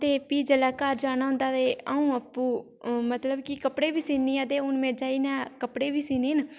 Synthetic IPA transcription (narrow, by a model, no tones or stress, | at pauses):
t̪eːpiːd͡ʒəlaːkaːɾd͡ʒaːnaːɦʊ̃nd̪aːt̪eːaːũːəpːũː | mət̪ləbkɪkəpɽeːbiːsiːnĩːət̪eːʊnmẽːd͡ʒaːiːnɛ̃ːkəpɽeːbiːsiːneːn